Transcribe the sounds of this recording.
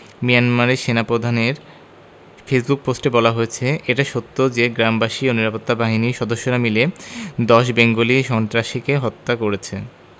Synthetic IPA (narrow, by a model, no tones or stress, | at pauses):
mijanmaɾeʃenapɾod̪ʱaneɾ | fesbuk̚posʈebɔlaɦoet͡ɕʰeeʈaʃot̪ːod͡ʑeɡɾambaʃioniɾapot̪ːabaɦiniʃɔd̪oʃːoɾamiled̪ɔʃ̬beŋɡoliʃɔnt̪ɾaʃikeɦɔt̪ːakoɾet͡ɕʰḛ